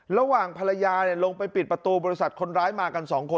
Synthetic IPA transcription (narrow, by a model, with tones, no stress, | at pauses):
ɾa˧waː˨˩ŋpʰa˧la˧jaː˧ni˧˩ɐlo˧ŋpa˧jpi˨˩t̪̚pɾa˧t̪uː˧bɔː˧i˧˥sa˨˩t̪̚kʰo˧nɾaː˦˥jmaː˧ka˧nsɔː˩˦ŋkʰo˧